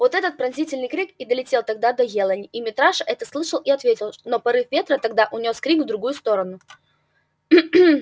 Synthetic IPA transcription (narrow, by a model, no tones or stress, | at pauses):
vo̞t̪ɛt̪ət̪̚pɾɐnzʲitʲɪlʲnɨjkɾʲikɪd̪əlʲɪtʲelˠt̪ɐɡ̚d̪ad̪ɐjelˠənʲɪimʲɪt̪ɾaʂəʔɛt̪əslˠɨʂəlˠɪɐt̪vʲetʲɪlˠnopɐɾɨfvʲe̞t̪ɾət̪ɐɡ̚d̪aʔʊnʲo̞skɾʲikvd̪ɾʊɡujʊst̪o̞ɾənʊ